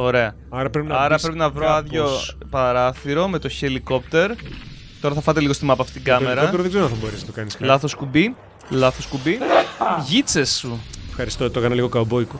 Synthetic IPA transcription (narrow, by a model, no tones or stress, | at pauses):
o̞ɾe̞ɐ | ɐɾɐpɾepinɐɐɾɐpɾepinɐvɾoɐðʝo̞pɐɾɐθiɾo̞me̞t̪o̞çe̞liko̞pt̪e̞ɾ | t̪o̞ɾɐθɐfɐt̪e̞liɣo̞st̪imɐpɐft̪it̪iɡɐme̞ɾɐɾoðeɡzeɾonɐ̃θɐboɾesnɐt̪okɐnisllɐθo̞skubi | lɐθoskubiʝit͡se̞sːuefxɐɾist̪ot̪oekɐnɐliɣokɐobojku